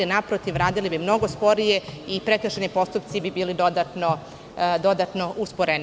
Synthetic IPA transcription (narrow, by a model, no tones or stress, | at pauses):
inapɾot̪iʋɾaːd̪ilibimno̞ɡo̞spo̞ɾije̞ipɾekɾəʃenipo̞st̪upt̪sibibiːlid̪o̞d̪at̪no | d̪o̞d̪at̪no̞ʔuspoɾen